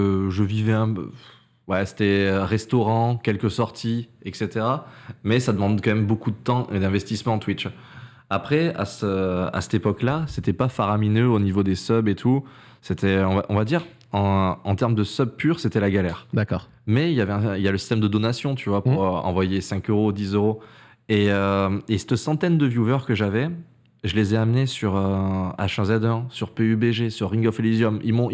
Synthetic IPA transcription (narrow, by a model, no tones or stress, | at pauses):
ʒəvivɛɛ̰̃ | wɛse̥t̪ɛʁɛst̪ɔʁɑ̃kʲɛlkəsɔʁt̪ʰiɛkset̪eʁamɛsad̪əmɑ̃d̪kɑ̃mɛmbokud̪ət̪ɑ̃ʔed̪ɛ̃vɛst̪ismɑ̃t̪wit͡ʃ | apχɛa̰səa̰sɛ̥t̪epɔklaset̪ɛpafaʁaminøonivod̪esœbet̪ʰu | set̪ʰɛɔ̃va̰ʔɔ̃vad̪iʁ | ɑ̃ɑ̃t̪ɛʁmd̪əsœb̚pyʁset̪ɛlaɡalɛʁd̪akɔːʁ | mɛiljavɛɛ̃iljaləsi̥st̪ɛmd̪əd̪ɔnasjɔ̃t̪ʰyvwapuʁɑ̰̃vwajesɛ̃køʁod̪izøʁo | eøesɛ̥t̪əsɑ̃t̪ɛnd̪əvjuvœʁkəʒavɛ | ʒəlezɛamnesyʁøa̰ʃɛ̃zɛd̪œʁsyʁpeybeʒesyʁːĩŋɡɔflizjɔmḭlmɔ̃